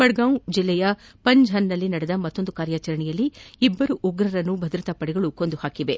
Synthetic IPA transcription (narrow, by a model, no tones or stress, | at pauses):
bɐɽɡɐwd͡ʒilːɛjɐ | pɐɲd͡ʒʱɦɐnːɐlːinɐɽɛd̪ɐmɐt̪ːo̞nd̪ukaːɾjaːt͡ʃɐɾɐɳɛjɐlːiibːɐɾuʔuɡɾɐɾɐnːubʱɐd̪ɾɐt̪ɐpɐɽɛɡɐɭukond̪uhaːkiʋe̞